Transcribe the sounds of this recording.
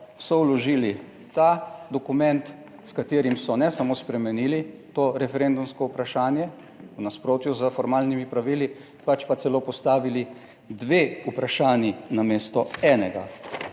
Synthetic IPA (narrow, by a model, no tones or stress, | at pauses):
sɔwlɔʒiːli | t̪ad̪ɔkumɛnt̪ | skat̪eːɾimsɔnɛsamoːspɾɛmɛnilit̪oːɾɛfɛɾend̪umskɔupɾaʃaːnjɛ | wnaspɾoːt̪juzəfɔɾmaːlnimipɾaʋili | pat͡ʃpat̪sɛloːpɔst̪aːʋili | d̪ʋeːupɾaʃaːnjinameːst̪ɔɛːnɛɡa̰